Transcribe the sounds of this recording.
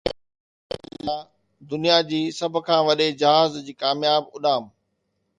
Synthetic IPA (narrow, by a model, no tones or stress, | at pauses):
ã | d̪ʊnijad͡ʑiːsɐbʱʊkʰãːʋɐɗed͡ʑɐɦaːzd͡ʑiːkaːmjaːbʊɗaːm